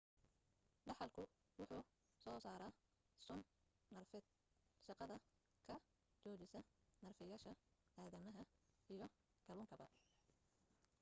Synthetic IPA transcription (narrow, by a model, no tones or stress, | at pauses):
ɖɑħɑlkʰʊ | wʊħuː | sɔːsaːɾɐː | sʊnː | ɐrf | ʃɑqɑðɐ | kʰɐ | t͡ʃɔːt͡ʃɪsɐnɐrfɪjaːʃɐaːðɐmɐɦɐijɞ | ɡ̥ɐlʊːŋkʰɐbɐ̰